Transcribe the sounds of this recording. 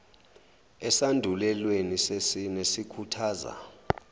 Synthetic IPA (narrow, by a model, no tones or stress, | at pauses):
ɛsandʱulɛlwenisesinesikʰutʰaːza̰